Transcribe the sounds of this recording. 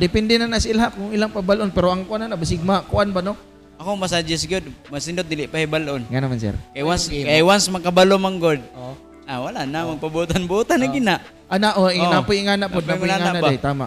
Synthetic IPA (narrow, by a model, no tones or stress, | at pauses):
d̪ɪpɛnd̪ɛnanaʔsilaʔkʊŋɪlaŋpabalʔonpɛɾoaŋkʊʔananaʔbasɪɡ̚makʊʔanbano | ɐkoŋmɐsad͡ʒɛs̬ɡod̪̚mɐsɪnd̪ʊt̪̚d̪ɪlɪʔpahibalʔonŋanamansɛ̰ɾkajwanskajwansmɐkabalomaŋɡod̪̚o | awalaʔnamɐɡ̚pabut̪anbut̪anaɡɪna | ʔanaʔoŋnapʊjɪŋaːnaʔpʊd̪naaŋaːanaʔd̪ajt̪aːma̰ʔ